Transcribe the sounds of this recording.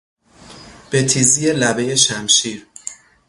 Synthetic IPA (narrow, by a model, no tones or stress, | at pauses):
b̥et̪ʰizijelæbejeʃæmʃiːɾ